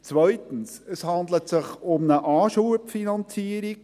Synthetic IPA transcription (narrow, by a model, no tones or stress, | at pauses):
t͡sʋœʏtən̩səshɑnd̪lət̪sɪχʊmnəʔɑːʃuəpfinɑnt͡siəɾik